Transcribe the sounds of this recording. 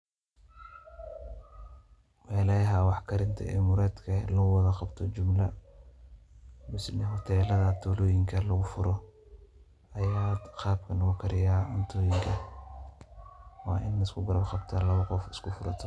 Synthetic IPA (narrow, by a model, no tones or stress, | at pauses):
mɛːlɛɦɐwɑħkʰɐɾɪnt̪ʰɐ̰ʔɛ̰ːmʊɾɛːt̪kʰɐlɐɣʊwɑðɐqɑbt̪ʰɔt͡ʃʊmlɐ | mʊsnɪɦɔt̪ʰɛːlɐðɐt̪ʰɔːlɔːjɪŋkʰɐlɐɣʊfʊɾɔ | ɐjaːd̪qɑːbkʰɐnɐɣʊkʰɐɾɪjaːʔʊnt̪ʰɔːjɪŋkʰɐ | wɑːʔɪnːɪskʰʊɡɐɾɐbqɑbt̪ʰɐlɐβɐqɔfɪskʰʊfʊɾɐt̪ʰɔ̥